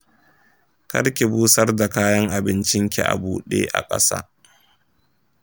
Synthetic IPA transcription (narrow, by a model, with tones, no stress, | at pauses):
kɐ̰˦ɾkʲi˨buː˦sɐ˦rda˨kaː˦jɐ˦ŋʔa˨bɪ˦nt͡ʃɪ˦ŋkʲi˨ʔa̰˨buː˨ɗḛː˦ʔa̰˨kʼɐ̰˦sa̰ː˦